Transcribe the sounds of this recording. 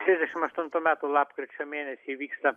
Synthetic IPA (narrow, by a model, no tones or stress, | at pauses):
t̪ʲɾʲizʲd̪ʲɛʃʲɪmɐʃt̪ʊnt̪uːmʲæːt̪uːlˠɑːpkɾʲɪt͡ʃʲomʲeːnʲɛsʲiːʋʲiːkst̪ɐ